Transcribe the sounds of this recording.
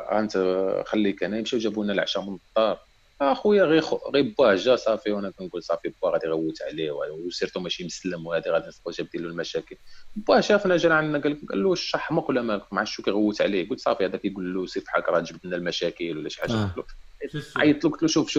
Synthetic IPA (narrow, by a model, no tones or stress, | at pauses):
æ̰nt̪xælːikænæjəmʃiwʒæbunælʕʃɑmənt̪ˤːɑɾˤ | æxwəjːæɣixɣibæhʒæsˤɑfiwænækænɡulsˤɑfibæɣæd̪iɣæwːət̪ʕliwæsˤiɾt̪umæʃiməsləmwhæd̪iɣæd̪infquʒæb̚d̪ilulmæʃækəlbːæhʒæfinæʒælʕanːæɡæləkɡæ̰lːuʃːɑħmæqulæmælkmʕaʃːukæɣæwːət̪ʕliɡult̪sˤɑfihæd̪ækæjɡulːusˤiɾfi̥ħalkɾˤɑd̪ʒbd̪ənælmæʃækəlwlːæʃiħaʒæt̪luʕʕa̰jt̪ˤlukt̪luʃufʃu